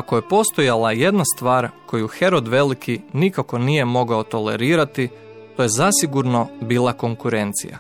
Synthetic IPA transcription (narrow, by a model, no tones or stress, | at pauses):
akoje̞po̞st̪o̞jalaje̞d̪nast̪ʋaːɾkʰo̞juxe̞ɾo̞d̪ʋe̞likʰinikako̞nije̞mo̞ɡaot̪o̞le̞̰ɾiːɾat̪i | t̪o̞je̞zasiɡuɾno̞biːlˠako̞ŋkuɾe̞nt̪sḭja̰